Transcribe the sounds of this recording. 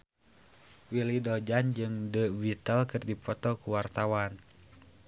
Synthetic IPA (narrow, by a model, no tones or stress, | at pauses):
wilidɔd͡ʒand͡ʒɨŋdəvit̪əlkɨrdipɔt̪ɔkuwart̪awan